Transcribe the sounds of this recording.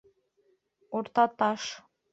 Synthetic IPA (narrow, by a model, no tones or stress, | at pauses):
oɾt̪ɑt̪ɑʃ